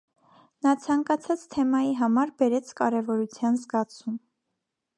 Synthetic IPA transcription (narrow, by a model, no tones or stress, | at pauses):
nɑt͡sʰɑŋkɑt͡sʰɑt͡st̪ʰɛmɑjiɦɑmɑɾbɛɾɛt͡sʰkɑɾɛvɔɾut͡sʰjɑnzɡɑt͡sʰum